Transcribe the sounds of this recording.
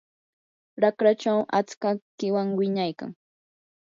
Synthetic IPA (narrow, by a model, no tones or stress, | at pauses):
ɾakɾat͡ʃawat͡skakɪwaŋwɪɲajka̰ŋ